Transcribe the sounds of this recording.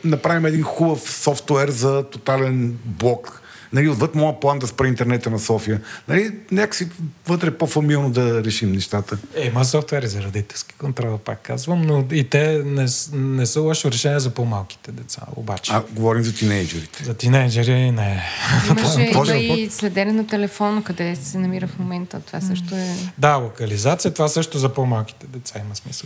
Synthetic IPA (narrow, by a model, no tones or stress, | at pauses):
nɐpɾavimɛd̪inxubəfsɔft̪ɛɾzɐt̪ot̪alɛnblˠɔk | nɐliʊd̪vɤt̪mɔjəplˠand̪ɐspɾɐint̪ɛɾnɛt̪ənɐsɔfijənɐlinʲakə̥sivət̪ɾɛpofɐmilˠnod̪ɐɾɛʃimnɛʃt̪at̪əɛmɐsɔft̪wɛɾizɐɾɐd̪it̪ɛlˠski̥kont̪ɾɔlˠpa̰kːa̰zvəmnoit̪ɛnɛsnɛsəlˠɔʃilˠɾɛʃɛniɛzɐpomalˠk̟i̥t̪ɛd̪ɛt̪sa̰o̰bat͡ʃɛaɡovɔɾimzɐt̪inɛjd͡ʒɛɾit̪ɛ̥zɐt̪inɛjd͡ʒɛɾiinɛt̪ɔʒiiɔslɛd̪ɛnɛnot̪ɛlɛfɔnəkɐd̪ɛssɛnɐmiɾəfmomɛnt̪ət̪ovasɤʃt̪oɛd̪alˠokɐlizat̪sijət̪ovasɤʃt̪ozɐpomalˠk̟i̥t̪ɛd̪ɛt̪saimɐsmisəlˠ